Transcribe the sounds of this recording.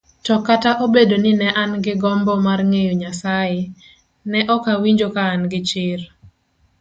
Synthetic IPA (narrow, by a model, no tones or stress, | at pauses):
tɔkataʔobedonɪnɛʔanɡɪɡɔmbɔmarŋejoɲasaje | nɛʔɔkawiɲd͡ʒokaːnɡɪt͡ʃɪr